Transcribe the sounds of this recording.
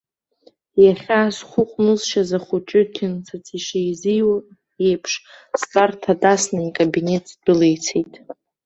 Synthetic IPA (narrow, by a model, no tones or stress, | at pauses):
jaχʲasχʷʊqʷʼnɨzʃazaχʷʊt͡ʃʼɪkʲʰɪnt͡sʰat͡sʰiʂejziwa | e̞jpʰʂ | stʼartʰatʼasnaikʼabine̞tʼzdʊlejt͡sʰejtʼ